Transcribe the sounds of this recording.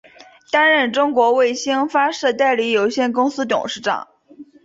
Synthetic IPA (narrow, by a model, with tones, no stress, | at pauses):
t̪a˥nɻə˥˩nʈ͡ʂʊ˥ŋkwɔ˧˥we˥˩ɪɕi˥ŋfa˥ʂɤ˥˧t̪a˥˧ɪli˧˥jo˨˩ʊɕjɛ˥˩nkʊ˥ŋsɹ̩˥t̪ʊ̰˨˩ŋʂɻ̩˥˩ʈ͡ʂɑ̰˨˩˦ŋ